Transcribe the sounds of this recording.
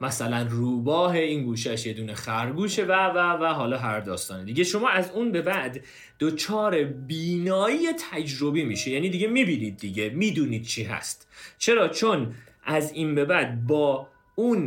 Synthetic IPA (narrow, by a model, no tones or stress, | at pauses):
mæsælænruːbɒːɦeiːnɡuːʃæʃjed̪uːnexæɾɡuːʃevævævæɦɒːlɒːɦæɾd̪ɒːst̪ɒːned̪iɟeʃo̞mɒːʔæzuːnbe̞bæʔd̪ː | ot͡ʃʰɒːɾebiːnɒːijet̪ʰæd͡ʒɾo̞biːmiːʃejæːniːd̪iːɟemiːbiːniːd̪̚ːiɟe̞miːd̪uːniːd̪̥̚t͡ʃʰiːɦæ̰st̪t͡ʃʰe̞ɾɒːt͡ʃʰon | ʔæziːnbe̞bæd̪̚bɒː | un